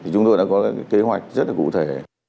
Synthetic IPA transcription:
t̪ʰi˨˩t͡ɕʊ˧ŋ͡mt̪o˧˨jɗa̰ː˧˥kɔ˨˦aː˨˦kːjke˨˦ɦwa˨˩jk̟̚zə˦˥t̚laː˨˩kṵ˧˨t̪ʰe˨˩

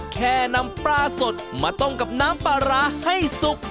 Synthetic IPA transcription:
kʰɛː˧˩na˧˥mpɾaː˧so˨˩t̪̚maː˧˩t̪o˧˩ŋka˨˩p̚naː˦˥mpaː˧ɾaː˧˥ha˥˩jsu˨˩k̚

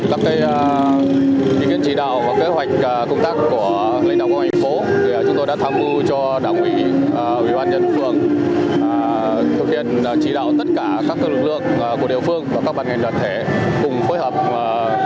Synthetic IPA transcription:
kaː˦˥kːaː˨˦j | i˨˧˩ki˧˥ənt͡ɕi˧˩ɗa̰ː˧˨wvaː˨˩ke˨˦ɦwa˨˩jk̟̚ːkə˧wŋ͡mt̪aː˦˥k̚ːku˧˩ə | la˧ŋ̟ɗaː˧˨wka˧t̪ʰa˨˩ŋ̟fo˨˦˨ | t͡ɕʊ˨˦ŋ͡mt̪o˧jɗaː˧˥t̪ʰaː˧mzu˧t͡ɕɔ˧ | ɗaː˧˩˨wʔwiː˧˩˨ | ʔwḭ˧˩ɓaː˧nɲə̰˧˩n˨˩fɨ˧əŋː˨˩ | t̪ʰɨ˨˩k̚h̪ḭ˧˨ən˨˩t͡ɕi˧˩ɗa̰ː˧˨wt̪ə˦˥t̚kaː˧˩kaː˦˥kːəː˧lɨ˨˩k̚lɨ̰˧˨əŋː˨˩ku˧˩ɗḭ˧˨əfɨ˧əŋvaː˨˩kaː˦˥k̚ɓaː˧˨nŋa˨˩ŋ̟ɗwaː˨n̚t̪ʰe˧˩kʊ˨˩ŋ͡mfoː˨˦jhəː˨˩p̚ː

